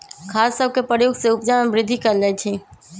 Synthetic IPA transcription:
kʰaːsːəb̚ʱkepɾəjoːɡseʊpd͡ʒamẽbɾɪd̪ʱːikɐɾləit͡ʃ̪ʰi

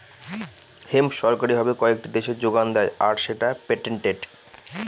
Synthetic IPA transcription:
hemʃɔɾkaɾibʱɔbekɔek̚ʈid̪eʃeɾd͡ʑoɡand̪ɛeaɾʃeʈapeʈeɳʈeɖ

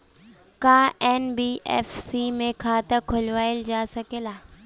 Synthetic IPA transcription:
kaːɛːnbiːʔɛ̰ːfsiːmẽkʰaːt̪ɐkʰʊlʋaːɪld͡ʑaːsɐkelaː

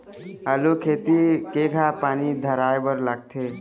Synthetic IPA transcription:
əlokʰeːt̪ikekʰapaːnid̪ʱəɾaːjbəɾləɡ̚t̪ʰe

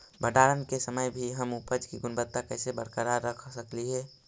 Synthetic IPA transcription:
bəɖaːɾənkesəməjbʱiɦəmupəd͡ʒkiɡʊnbət̪ːakəːsebəɽ̤kəɾaɾəkʰsəkliɦɛː

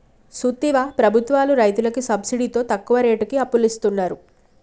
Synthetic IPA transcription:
sut̪ːiʋaːpɾɐbʱut̪ʋaːluɾɐjt̪ulɐkisɐbsiɽit̪o̞ːt̪ɐkːuʋɐɾe̞ːʈukiɐpːulist̪unːaːɾu

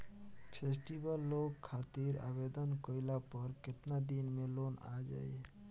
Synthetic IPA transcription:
pʰesʈibəlːokʰːat̪iɾa̰bed̪ənkəɪlapəɾket̪nad̪inmelona̰d͡ʒa̰j

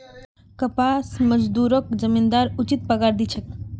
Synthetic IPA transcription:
kəpasməd͡ʒd̪uɾəkd͡ʒəmind̪aɾut͡ʃit̪̚pəɡaɾd̪it͡ʃʰək

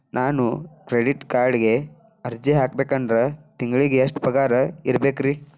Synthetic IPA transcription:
nʔaːnukɾeɽiʈkaːɾɖiɡe̞ | ɐɾd͡ʒiɦaːk̚beːkɐndɾɐt̪iŋɡɭiɡeɐʂʈpɾɐkaːɾɐiɾbe̞ːkɾi

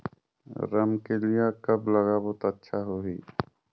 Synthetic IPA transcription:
ɾəmkelijakɐbləɣaːbot̪ətːʃʰaɦoɦiː

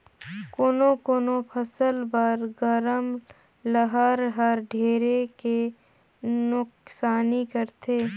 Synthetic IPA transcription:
koːnõkoːnopʰəsəlbəɾɡəɾəm | ləɦəɾɦəɾɖʱeːɾeke | nʊksaːnikəɾt̪ʰeː

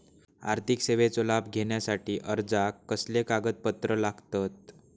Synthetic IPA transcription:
a̰ɾt̪ʰikseʋet͡solab̚ɡʱeɳjasaʈiːʔəɾd͡zakːəslekaɡət̪̚pət̪ɾəlaɡt̪at̪̚

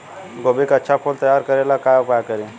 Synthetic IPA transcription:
ɡobikətːʃʰapʰolt̪əjaɾkəɾelakajupajakəɾi

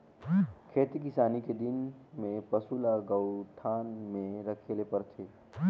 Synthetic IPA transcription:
kʰeːt̪ikɪsaːniked̪ɪnmẽpəsulaɡəʊʈʰaːnmẽɾəkʰeːlepəɾt̪ʰeː

